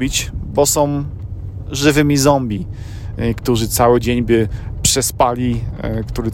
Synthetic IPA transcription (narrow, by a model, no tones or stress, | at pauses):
bʲit͡ɕbɔsɔ̃w̃ | ʐɘvɘmʲizɔmbʲi | kt̪uʐɘt̪sawɘd͡ʑeɲbɘpʂɛspalʲikt̪uɾɘ